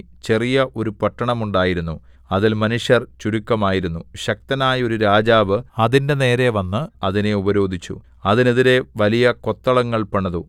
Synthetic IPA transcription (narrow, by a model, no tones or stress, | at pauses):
t͡ɕe̞rijɐʔo̞ɾupɐʈːɐɳɐmuɳɖaːjiɾunːu | ɐðilmɐnuʂjɐrt͡ɕuɾukːɐmaːjiɾunːuɕɐk̚t̪ɐnaːjo̞ɾuɾaːd͡ʑaːʋɨɐðinde̞ne̞ːɾe̞ʋɐnːɨɐðine̞ubɐɾo̞ːd̪ʱit͡ɕːṵ | ɐðineðiɾe̞ʋɐlijɐko̞t̪ːɐɭɐŋːɐɭpɐɳːɐðu